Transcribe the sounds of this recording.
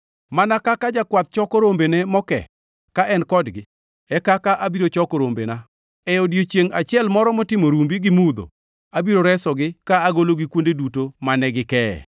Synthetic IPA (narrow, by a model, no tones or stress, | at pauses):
manakakad͡ʒakwat̪̚t͡ʃɔkoɾombenɛmɔkɛ̰ | kaʔɛnkɔdɡɪ | ɛkakaʔabiɾot͡ʃɔkoɾombḛna | ɛodjot͡ʃjeŋat͡ʃɪɛlmɔɾɔmɔtɪmoɾumbiɡɪmud̪o̰ | abiɾoɾɛsɔɡɪkaːɡoloɡɪkwondedutomanɛɡɪkɛɛ̰